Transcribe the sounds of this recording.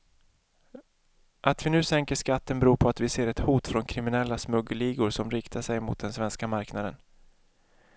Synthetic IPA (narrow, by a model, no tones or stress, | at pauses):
ʔat̪vɪnʉ̟ːsɛŋkəʂkat̪ːənbɛɾuːpʰɔat̪vɪseːɾɛt̪huːt̪fɾɔnkʰɾɪmɪnɛlːasmɵɡəliːɡʊɾʂɔmɾɪkt̪ʰaʂɛjmʊ̰t̪̚d̪ɛnsvɛnskamaɾknad̪ə̰n